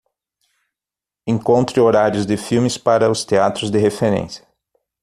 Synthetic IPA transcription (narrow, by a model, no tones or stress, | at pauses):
ẽŋkõnt̪ɾɪoɾaɾjʊzd̪ɪfiwmɪspaɾɐʊst̪eat̪ɾʊzd̪ɪhefeɾḛ̃sjɐ̥